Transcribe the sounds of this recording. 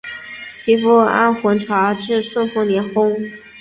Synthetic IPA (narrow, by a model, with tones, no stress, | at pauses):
t͡ɕʰi˧˥fu˥˩a̰˥˩nxwə˧˥nʈ͡ʂʰwa˧˥ʈ͡ʂɻ̩˥˧ʂwə˥˧nfu˥˩njɛ˧˥nxʊ˥ŋ